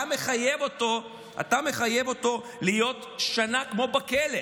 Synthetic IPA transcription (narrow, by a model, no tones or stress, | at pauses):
ameχajevot̪o | a̰t̪ame̞χajevo̞t̪o̞ | lijo̞t̪ʃanakmo̞bakele